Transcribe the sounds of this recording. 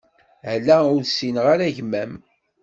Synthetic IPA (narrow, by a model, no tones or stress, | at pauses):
lːæʊɾsinʁaɾæʝmæm